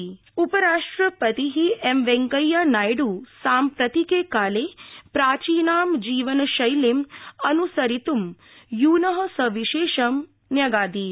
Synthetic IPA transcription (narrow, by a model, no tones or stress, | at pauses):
upɐɾaːʂʈɾɐpɐt̪iɦiemʋeŋkɐjːaːnaːjɖusaːmpɾɐt̪ikeːkaːleːpɾaːt͡ʃiːnaːmd͡ʒiːʋɐnɐʃɐjlemɐnusɐɾit̪um | juːnɐɦɐ̆sɐʋiʃeːʃɐm | njɐɡaːd̪iː